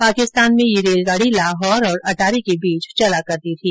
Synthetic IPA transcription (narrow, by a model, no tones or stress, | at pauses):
paːkɪst̪aːnmẽjeɾeːlɡaːɽilaːɦɔːɾɔːɾɐʈaːɾikebiːt͡ʃt͡ʃɐlakɐɾd̪it̪ʰiː